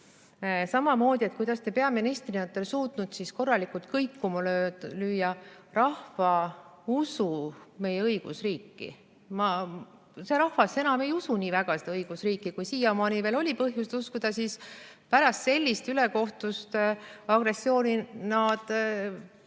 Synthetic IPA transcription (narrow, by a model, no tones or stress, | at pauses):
sɑmɑmo̞ːd̪ʲiekujd̪̥ɑst̪e̞pe̞ɑminist̪riiot̪ːˑelsuːt̪nut̪sisko̞rːɑlikult̪̚kɤjkːumɑlølyːjːɑrɑhfɑusume̞jeɤiɡ̥ṵsriːkːḭ | mɑ | seɾɑhvɑse̞nɑme̞jusuniːvæɡ̥ɑsed̪ɑɤjɡ̥usriːkːˑikujsiːjɑmɑːnive̞ːlo̞lʲipɤɦjust̪uskud̪̥ɑsis | pæɾɑst̪se̞lʲːist̪yleko̞ht̪ust̪ɑɡ̥re̞sːio̞ːninɑd̪̥